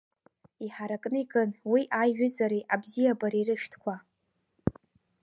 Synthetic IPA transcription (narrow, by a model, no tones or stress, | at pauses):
iħaɾakʼnɨiɡʼɨnwiʔajɥᶣʊzaɾiʔabzijabaɾirɨʃᶣtʰkʷʰa